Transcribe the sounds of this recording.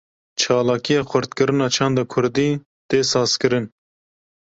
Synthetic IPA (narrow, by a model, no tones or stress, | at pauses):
t͡ʃʰɑːlɑːkijɑːxʰʷʊɾt̪̚kɨɾɨnɑːt͡ʃʰɑːnd̪ɑːkʰʊɾd̪iː | t̪eːsɑːz̥kɨɾɨn